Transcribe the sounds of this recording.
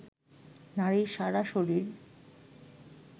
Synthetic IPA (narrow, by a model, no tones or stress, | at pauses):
naɾiʃaɾaʃoɾiɾ